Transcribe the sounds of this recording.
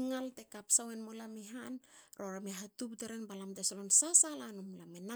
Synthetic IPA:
ŋaltekapsawenmolamiɦanɾo̞ɾamiaɦatupteɾenbalamtesolonsasalanumlamena

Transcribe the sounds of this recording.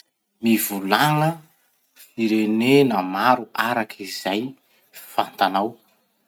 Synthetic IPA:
mivulaŋə | fiɾenenəmaɾuʔaɾakʰizaj | fant̪anaw

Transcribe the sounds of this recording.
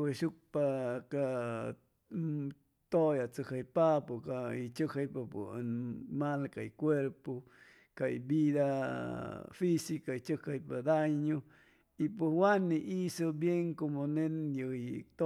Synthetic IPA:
weʃuk̚paka | t̪ojat͡səkajpapokait͡ʃəkajpapo̰nmalkaikʷeɾpo | kaḭbid̪a | fisikait͡ʃəkajpad̪ajɲu | ipuwaniʔisobjeŋkomonenjəit̪o

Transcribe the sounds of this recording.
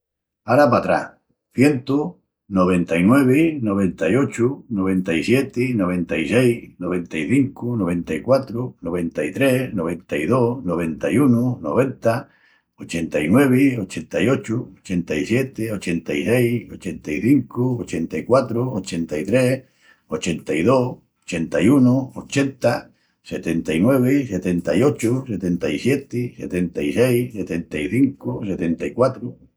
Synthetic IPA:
aɾapat̪ɾa̰ | θje̞nt̪u | noβ̞ent̪ainwe̞β̞enoβe̞nt̪ajot͡ʃunoβ̞ẽnt̪aisjet̪inoβent̪aisejnoβent̪aiθiŋkunoβ̞ẽ̞nt̪aikwat̪ɾunoβ̞ẽ̞nt̪ait̪ɾenoβ̞ent̪aiðonoβ̞ent̪ajununo̰β̞e̞nt̪a | ot͡ʃent̪ainwe̞βiot͡ʃent̪ajot͡ʃuot͡ʃe̞nt̪aisjet̪eot͡ʃent̪aisejot͡ʃent̪aiθiŋkuot͡ʃe̞nt̪aikwat̪ɾuot͡ʃe̞nt̪ait̪ɾe | ot͡ʃent̪aiðo | ot͡ʃe̞nt̪ajunoot͡ʃe̞nt̪a | set̪ent̪ainwe̞β̞eset̪ent̪ajo̞t͡ʃuset̪ent̪aisje̞t̪ise̞̰t̪ent̪aisejset̪e̞nt̪aiθiŋkuse̞t̪e̞nt̪aikwat̪ɾu

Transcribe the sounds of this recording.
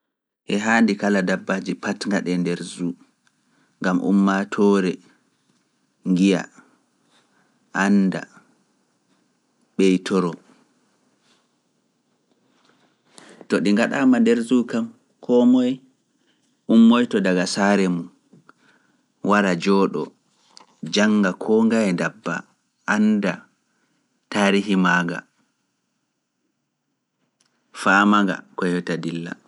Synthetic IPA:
ʔɛɦaːndikaladabːad͡ʒipatŋɡaɗɛndɛɾzu | ŋɡamʔṵmːatʰɔːɾɛ | ŋɡija̰ | ʔanda̰ | ɓɛjtʰɔɾɔ | tɔɗiŋɡaɗamandɛɾzukam | kʰɔːmɔj | ʔumːɔjtɔdaɡasaɾɛmun | waɾad͡ʒɔːɗɔ̰ | d͡ʒaŋɡakʰɔːŋɡajɛndabːa̰ | ʔanda | taːɾiɦimaːɡa̰ | faːmaŋɡa̰kɔjɔtadilːa̰

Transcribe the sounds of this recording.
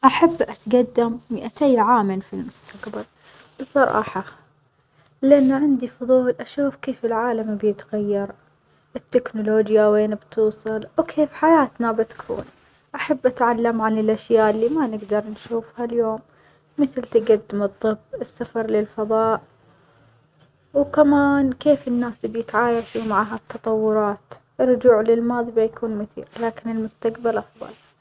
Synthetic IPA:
ʔaħabːʔat̪ɡad̪ːamːɪʔat̪ejʕaːmanfilmʊst̪ʰaqbal | b̥sˤɑɾˤɑ̰ːħɑ | lɪʔanːaʕɪnd̪ifʊðˤuːlʔaʃuːfkeːfɪlʕaːlambjɪt̪ɣajːɑɾˤ | ʔɪt̪ːɪknʊloːd͡ʒjaweːnbt̪ʰuːsˤɑlwkʰeːfħajaːt̪nabɪt̪kʰṵːn | ʔaħabːʔat̪ʕalːamʕanɪlʔaʃjaːʔɪlːiːmanɪɡd̪ɑɾˤnʃuːfhaljoːmː | ɪθlt̪aɡad̪ːɪmɨt̪ˤːɨbːɪsːafɑɾˤlɪlfabɑːʔ | wkamaːnkeːfɪnːaːsbjɪt̪ʕaːjaʃumaʕaːɦat̪ːɑt̪ˤɑwːʊɾˤɑːt̪ | ʔɪrˤːʊd͡ʒuːʕlɪlmɑːðˤibajakʰuːnmʊθḭːqlaːkɪnɪlmʊst̪aqbalʔɑfðˤɑ̰l

